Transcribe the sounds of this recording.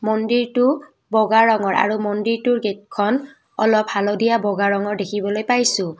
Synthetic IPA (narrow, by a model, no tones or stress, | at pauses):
mɔndiɹtʊ | bɔɡaɹɔŋɔɹa̰ɹumɔndiɹtʊɹɡet̚kʰɔn | ɔ̰lɔphalɔdijabɔɡaɹɔŋɔɹdekʰibɔlojpajsʊ̃